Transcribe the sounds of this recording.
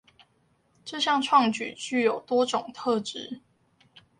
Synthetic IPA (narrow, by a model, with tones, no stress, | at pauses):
ʈ͡ʂɤ˥˧ɕjɑ˥˧ŋʈ͡ʂʰwɑ˥˨ŋt͡ɕy̰˨˩t͡ɕy˥˩jo˨˩ʊt̪wɔ˥ʈ͡ʂʊ˨˩ŋt̪ʰɤ˥˨ʈ͡ʂɻ̩˥